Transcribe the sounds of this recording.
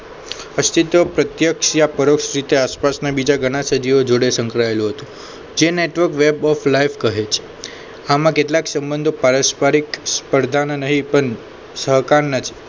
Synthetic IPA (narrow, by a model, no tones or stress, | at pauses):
əst̪ʰit̪ʋəpɾət̪jəkʃjapəɾoksɾit̪easpasnabid͡ʒaɡʱəɽ̃asəd͡ʒiod͡ʒoɽesə̃ŋkɾaelũɦət̪ũ | d͡ʒeneʈʋəɾkʋebɔflaifkəɦet͡ʃʰe̥ | amãkeʈlaksəmbənd̪ʱopaɾəspaɾikspəɾd̪ʱannəɦipəɳ | səɦkaɾnat͡ʃ̪ʰi̥